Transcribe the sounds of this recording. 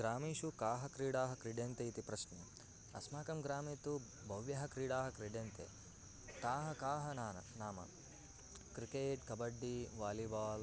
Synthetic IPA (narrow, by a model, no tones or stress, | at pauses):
ɡɾaːmiːʃukaːɦɐkɾiːɽaːɦɐkɾiɖjɐnt̪eit̪ipɾɐʃnɐ | ɐ̰smaːkɐmɡɾaːmiːt̪u | bʱɐʋjɐɦɐkɾiːɽaːɦɐkɾiɖjɐnt̪ḛ | t̪aːɦɐkaːɦɐnaːnɐ̰naːmɐ̰ | kɾikeːʈkɐbɐɖːiʋaːlibaːl